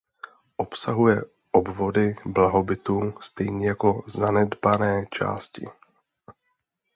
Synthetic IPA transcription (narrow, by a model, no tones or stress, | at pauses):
ʔo̞psaɦujɛ | ʔobvo̞dɪblaɦo̞bɪt̪uːst̪ɛjɲɛjako̞zanɛdbanɛːt͡ʃa̰ːscɪ̰